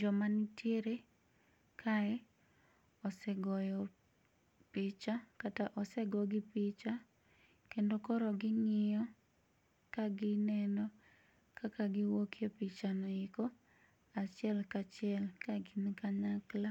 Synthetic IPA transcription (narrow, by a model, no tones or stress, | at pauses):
d͡ʒɔmanitjeɾe | kʰaɛ | ɔsɛɡɔjɔ | pɪt͡ʃakataʔɔsɛɡɔɡɪpɪt͡ʃa | kendokɔɾɔɡɪŋɪjɔ | kaɡɪnɛnɔ | kakaɡɪwokʰjopit͡ʃanɔɪko | at͡ʃɪɛlkat͡ʃɪɛlkaɡinkaɲakla